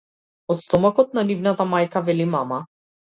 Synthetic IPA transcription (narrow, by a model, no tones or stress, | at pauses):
ɔt̪st̪ɔmakɔt̪̚nanivnat̪amajkavɛlimama